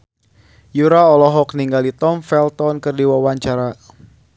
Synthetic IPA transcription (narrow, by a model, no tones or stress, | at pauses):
juɾaɔlɔɦɔk̚niŋɡalit̪ɔmfɛlt̪ɔnkɨrdiwawaɲt͡ʃaɾa